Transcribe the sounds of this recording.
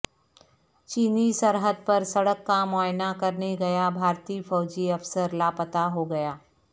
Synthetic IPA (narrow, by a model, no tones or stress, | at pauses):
t͡ʃiːnisɐɾɦəd̪̚pɐɾsɐɽəkːamɔːjnakɐɾneɡɐjabʱaːɾt̪iːfɔːd͡ʒiɐfsəɾlaːpət̪aɦoɡɐjaː